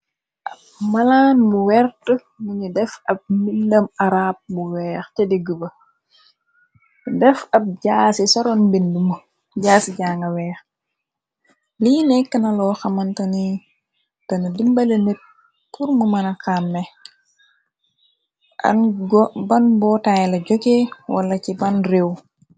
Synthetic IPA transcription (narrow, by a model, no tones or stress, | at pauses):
ʔɐp̚mɐlaːnmuwɛɾtə | muɲidɛfɐp̚mildɐmaɾaːp̚muwɛːxtɛdiɡəbɐ | dɛfɐp̚ɟaːsisɔɾɔnbindumu | ɟaːsiɟaːŋɡɐwɛːx | liːnɛkːənɐlɔːxɐmɐntɐni | tɐnɐdimbɐlenet̚ | puɾmumɐnɐkaːmːɛ | ʔɐ̰nɡbɐnbɔːtaːjlɐɟɔɡewɐ̰lɐcibɐnrew